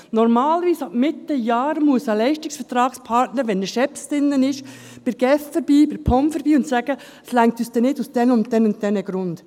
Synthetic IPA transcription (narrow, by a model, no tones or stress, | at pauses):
nɔɾmɑːlʋiːsɑbmɪt̪ːəjɑːɾmuəsəlɛɪʃtɪsfəɾtɾɑːkspʰɑɾtnəɾʋɛndəʃɛpstɪnːənɪʃ | b̥ɪɾɡ̥ɛffəɾbiːbɪɾpʰɔmfəɾb̥iːʊntsæɡ̥ə | ɛslæŋk̚tyːsd̥ɛnɪdusd̥ɛnʊnt̚dɛnʊnt̚dɛnəɡ̥ɾʊnd̥